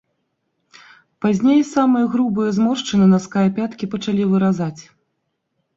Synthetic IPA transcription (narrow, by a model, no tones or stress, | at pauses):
pazʲnʲejsamɨjɐɣɾubɨjɐzmɔrʂt͡ʂɨnɨnɐskajɐpʲat̪kʲipɐt͡ʂalʲivɨɾazat͡sʲ